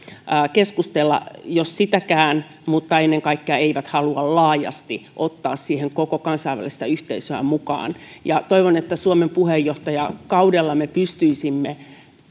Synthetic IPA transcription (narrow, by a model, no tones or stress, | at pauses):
keskust̪elːɑ̰jossit̪ækæːn | mut̪ːɑenːeŋkɑikːeɑeiʋæt̪hɑluɑllɑːjɑ̰st̪iʔot̪ːɑːssiːheŋkokokɑnsɑiʋæ̰lˑist̪æyht̪eisøæ̰mukɑ̰ːnjɑt̪oiʋonet̪ːæsuomempuhejːoht̪ɑjɑkɑudelːɑmepyst̪yisimːe